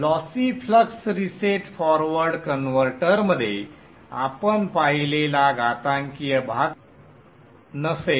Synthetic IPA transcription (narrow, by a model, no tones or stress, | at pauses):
lɔsifʰləksɾiseʈfɔɾʋəɾɖkənʋəɾʈəɾməd̪ʱːje | a̰pənpailelaɡat̪ãŋkijəbʱaɡ | nəse